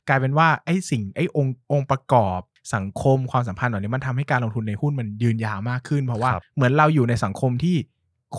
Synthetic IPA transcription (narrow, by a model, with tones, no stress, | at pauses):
klaː˧jpe˧nwaː˥˩ʔa˥˩jsi˨˩ŋʔa˥˩jʔo˧ŋʔo˧ŋpɾa˧kɔː˨˩p̚sa˩˦ŋkʰo˧mkʰwaː˧ms̬a˩˦mpʰa˧nːɔː˨˩niː˧˦˥ma˧nt̪ʰa˧mha˥˩jkaː˧nlo˧ŋt̪ʰu˧nːa˧jhu˥˩nma˧njɯː˧njaː˧˩maː˥˩kʰːɯ˥˩npʰɔ˧waː˥˩˧mɯ˩˦ənɾa˧wjuː˨˩na˧jsa˩˦ŋkʰo˧mt̪ʰiː˥˩ | kʰ